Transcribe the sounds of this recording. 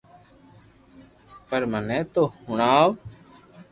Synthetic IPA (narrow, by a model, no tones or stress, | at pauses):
pəɾmənɛ̃ːt̪oːhʊɳaːʋ